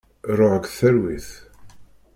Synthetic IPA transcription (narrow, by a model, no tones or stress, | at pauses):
ɾɔɡθɛɾwɪθ